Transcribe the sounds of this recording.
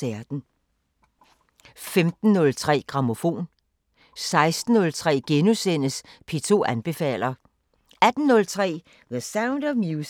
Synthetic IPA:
æɐd̥n̩ | femd̥n̩ːɔ̽lt͡sʰʁɛ̰ːɡ̥ʁɑ̈mo̝fo̝̰ːn | sɑ̈ɪsd̥n̩ːɔ̽lt͡sʰʁɛ̰ːɡ̥enusen̰əspʰe̝t͡sʰo̝̰ːænb̥e̝fɛ̰ːl̰ɐ | æd̥n̩ːɔ̽lt͡sʰʁɛ̰ː | ðəsäʊnd̥ɒʋmju

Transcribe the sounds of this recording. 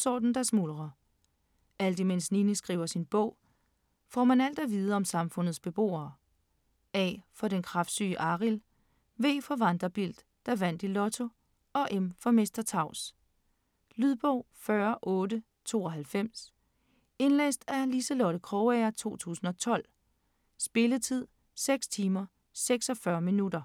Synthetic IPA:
sɒ̰d̥n̩d̥ɑsmulʁɐ | ʔæl̰d̥imensninəsɡ̥ʁḭːʊ̰ɐsinb̥ɔ̽ʊ̰ | fɒ̰ːmænæl̰d̥æʋiːð̞ˠəɒ̽msɑ̈mfɔ̽n̰ð̩ˠsb̥e̝b̥o̝̰ːɐː | ɛ̰ːfɒ̽ɾ̥enkʰʁɑ̈fd̥sy̰ːəʔɑ̈ʁil | ʋe̝̰ːfɒ̽ʋɑnd̥ʁɐb̥il̰d̥ːɑʋæn̰d̥ilɔ̽t͡sʰo̝ | ɒ̽ʔemfɒ̽me̝sd̥ɐt͡sʰɑ̈ʊ̰s | lyðˠb̥ɔʊ̰ | fɶɐʔɔ̽ːdə | t͡sʰo̝̰ːɒ̽ɦælfem̰s | e̝nlḛːsd̥æliselɔɾ̥əkʰʁɔʊæɐt͡sʰo̝̰ːt͡sʰṵːsn̩ɒ̽t͡sʰɒ̽l̰ | sb̥e̝lət͡sʰið̞̰ˠ | seɡ̥st͡sʰiːmɐ | seɡ̥sɒfɶɐminudɐ

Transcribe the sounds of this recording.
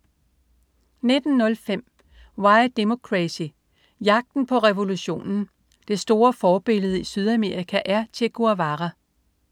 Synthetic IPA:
ne̝d̥n̩ːɔ̽lfem̰ | wɑ̈ɪd̥emo̝kʰʁæsi | jɑ̈ɡ̥̚d̥n̩pʰɒ̽ʁɛʋo̝luɕo̝̰ːnn̩ | d̥e̝sd̥o̝ːɐfɒːb̥e̝ləð̞̩ˠisyð̞ˠæme̝ːʁikʰæʔæɐt͡sʰe̝ɡ̥uæʋɑʁæ

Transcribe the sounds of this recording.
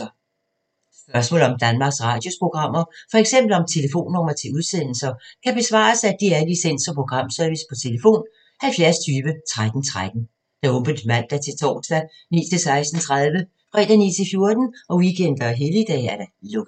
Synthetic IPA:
ɒ | sb̥ɶɐsmɔ̰ːlɒ̽md̥ænmɑ̈ːɡ̥sʁɑ̰̈ːd̥jo̝spʰʁo̝ɡ̥ʁɑ̈m̰ɐfɒ̽eɡ̥sem̰b̥l̩ɒ̽mt͡sʰe̝ləfo̝̰ːnːɒmɐt͡sʰe̝uð̞ˠsen̰l̩sɐkʰæb̥e̝sʋɑ̰̈ːsæd̥iæɐlisen̰sɒpʰʁo̝ɡ̥ʁɑ̈m̰sœɐʋispʰɒ̽t͡sʰe̝ləfo̝̰ːn | hælfjæɐst͡sʰyːʋət͡sʰʁad̥n̩t͡sʰʁad̥n̩ | d̥ɑ̈ɔ̽mb̥ənd̥mæn̰d̥æt͡sʰe̝lt͡sʰɒ̰ːsd̥æ | nḭːt͡sʰe̝lsɑ̈ɪsd̥n̩t͡sʰʁaðˠʋə | fʁɛ̰ːd̥ænḭːt͡sʰe̝lfjo̝ɐd̥n̩ʔɒ̽wikʰen̰d̥ɐɦelid̥ɛ̰ːæɐd̥ælɔɡ̥

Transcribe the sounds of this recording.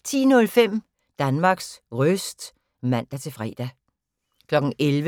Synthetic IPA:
t͡sʰḭːnɔ̽lfem̰ | d̥ænmɑ̈ɡ̥sʁœsd̥ | mæn̰d̥æt͡sʰe̝fʁɛ̰ːd̥æ | kʰlɒ̽ɡ̥n̩ʔelʋə

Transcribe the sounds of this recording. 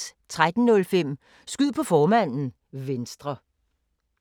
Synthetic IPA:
t͡sʰʁad̥n̩nɔ̽lfem̰ | sɡ̥yð̰ˠpʰɒ̽fɒːmæn̰n̩ | ʋensd̥ʁɐ

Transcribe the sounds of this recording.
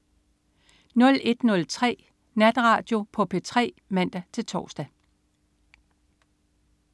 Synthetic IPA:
nɔ̽le̝d̥nɔ̽lt͡sʰʁɛ̰ː | næd̥ʁɑ̈d̥jo̝pʰɒ̽pʰe̝t͡sʰʁɛ̰ː | mæn̰d̥æt͡sʰe̝lt͡sʰɒ̰ːsd̥æ

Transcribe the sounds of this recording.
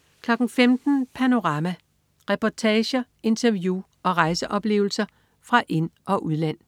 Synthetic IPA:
kʰlɒ̽ɡ̥n̩femd̥n̩pʰæno̝ʁɑ̈mæ | ʁɛpʰɒt͡sʰɛːɕɐ | e̝nt͡sʰɐʋju | ɒ̽ʁɑ̈ɪsəʔɒ̽b̥le̝̰ːʊl̩sɐ | fʁɑ̈ʔe̝nʔɒ̽ʔuð̞ˠlæn̰

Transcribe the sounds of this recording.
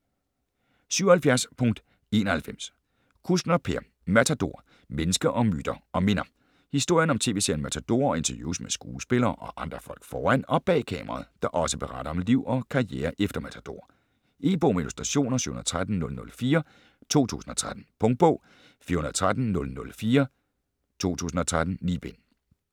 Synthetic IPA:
syʊɐhælfjæɐspʰɔ̽ŋd̥ | e̝ːnɐhælfem̰s | kʰusd̥nɐpʰeɐ̰ | mæt͡sʰæd̥o̝̰ɐ̰ | menəsɡ̥ɐʔɒ̽my̰ːd̥ɐʔɒ̽me̝nɐ | hisd̥o̝ɐ̰jənɒ̽mt͡sʰe̝̰ːʋe̝̰seɐnmæt͡sʰæd̥o̝ɐɒ̽e̝nt͡sʰɐjṵːsmesɡ̥ṵːsb̥e̝lɐːʔɒ̽ʔɑ̈nd̥ʁɐfɒ̽l̰ɡ̥fɒːæn̰ɒ̽b̥ɛ̰ːkʰɛ̰ːmɐʁɑ̰̈ð̩ˠd̥ɑ̈ʔɒ̽səb̥e̝ʁɑ̈ɾ̥ɐɒ̽mliʊ̰ɒ̽kʰɑ̈ieːɐʔefd̥ɐmæt͡sʰæd̥o̝̰ɐ | ʔe̝ːb̥ɔ̰ːmeilusd̥ʁɑ̈ɕo̝̰ːnɐsy̰ːhun̩ɐð̩ˠt͡sʰʁad̥n̩nɔ̽lnɔ̽lfiːɐ | t͡sʰo̝̰ːt͡sʰṵːsn̩ɒ̽t͡sʰʁad̥n̩pʰɔ̽ŋ̚b̥ɔ̽ʊ̰ | fiːɐhunɐð̩ˠt͡sʰʁad̥n̩nɔ̽lnɔ̽lfiːɐ | t͡sʰo̝̰ːt͡sʰṵːsn̩ɒ̽t͡sʰʁad̥n̩niːb̥en

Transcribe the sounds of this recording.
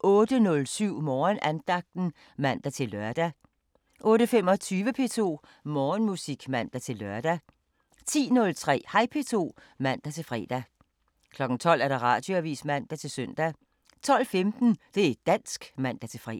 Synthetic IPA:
ʔɔ̽ːd̥ənɔ̽lsyʊ̰mɒːnʔænd̥ɑ̈ɡ̥̚d̥n̩ | mæn̰d̥æt͡sʰe̝lɶɐd̥æ | ʔɔ̽ːɾəfem̰ɒ̽t͡sʰyːʋəpʰe̝t͡sʰo̝̰ː | mɒːnmusiɡ̥mæn̰d̥æt͡sʰe̝lɶɐd̥æ | t͡sʰḭːnɔ̽lt͡sʰʁɛ̰ːhɑ̈ɪpʰe̝t͡sʰo̝̰ː | mæn̰d̥æt͡sʰe̝lfʁɛ̰ːd̥æ | kʰlɒ̽ɡ̥n̩t͡sʰɒ̽l̰æɐɾ̥ɑ̈ʁɑ̰̈ːd̥jo̝æʋḭːsmæn̰d̥æt͡sʰe̝lsœn̰d̥æ | t͡sʰɒ̽l̰femd̥n̩d̥e̝d̥æn̰sɡ̥mæn̰d̥æt͡sʰe̝fʁɛ̰

